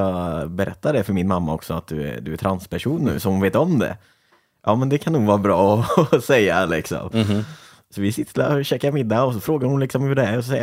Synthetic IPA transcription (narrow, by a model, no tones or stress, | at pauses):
ɑbɛɾʔɛ̰t̪ːad̪ɛfœɾmɪnmamːaɔ̰ksɔat̪̚d̪ɵɛ̰d̪ɵæt̪ʰɾanspʰæʂuːnːʉ̟̰ːsɔmhʊnveːt̪ɔmd̪ɛ̰ | jʔɑːmɛnd̪ɛkʰanːuːɡvɑːɾabɾɑːɔɔsɛjːa̰lɪksɔ̰m | sɔvɪsɪt̪ʰːɪla̰ɔɕɛːkaɾmɪd̪ːaɔsɔfɾoːɡaɾhʊnlɪksɔmhɵɖɛæɾɔs̬ɔsɛj